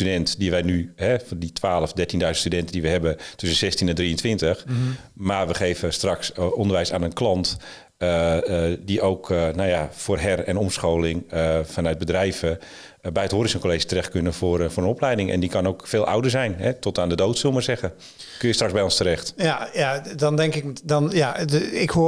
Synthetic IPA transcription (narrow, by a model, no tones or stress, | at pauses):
tydɛntdiʋɛjnyhɛfɔnditʰʋaːləfdɛrtindœɥzəntstydɛntəndiʋəhɛbətʏsənsɛstinɛndriəntʋɪntəx | marʋəχeːvəstraksɔndərʋɛjsaːnənklɑnt | ədiʔowknawjafʊːrɦɛrɛnɔmsxoːlɪŋəfanœɥt̚bədrɛjvə | bɛjətɦoəɾɪsənkoleːʃi̥tərɛxtkønəfrfʊːɾənɔplɛjdɪŋɛ̰ndikɑnoːkfeːlˠʔa̰wdərzɛjnɦɛtɔtaːndədowtsoːmarzɛɣə | kønjəstrakzbɛjɔnstəɾɛxtjjadɔndɛŋkɪkdɔnjaɪkhu